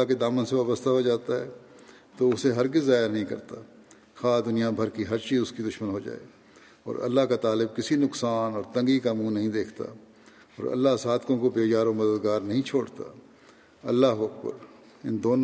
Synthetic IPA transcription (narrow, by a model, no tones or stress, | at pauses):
aked̪aːmənseʋaːbəst̪ʰaɦod͡ʒaːt̪aɦɛː | t̪oʊseɦɐɾɡɪzːaːjanɐɦĩkɐ̰ɾt̪a | xaːd̪ʊnijabʱɐɾkiɦɐɾt͡ʃiːʊskid̪ʊʃmənɦod͡ʒa̰ːḛː | ɔ̰ːɾɐ̰lːaɦkat̪aːlɪb̚kɪsinʊksaːnɔːɾt̪ɐ̃ŋɡikamunɐɦĩd̪eːkʰt̪a̰ | ɔːɾɐ̰lːasaːd̪kõkobeːt͡ʃaːɾõmɐd̪əd̪ɡaːɾnɐɦĩt͡ʃʰoːɽt̪a̰ː | ɐ̰lːaɦɐk̚bə̰ɾ | ɪnd̪oːn